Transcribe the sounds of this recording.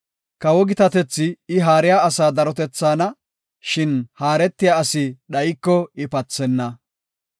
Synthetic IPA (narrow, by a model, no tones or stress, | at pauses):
kɐwɔɡɪt̪ɐt̪ɛt͡sːɪːɦaːɾɪjaːɐsaːd̪ɐɾɔt̪ɛt͡sːaːnɐ | ʃɪnhaːɾɛt̪ːɪjaɐsɪɗɐjɪkːɔɪpɐt͡sːɛnːɐ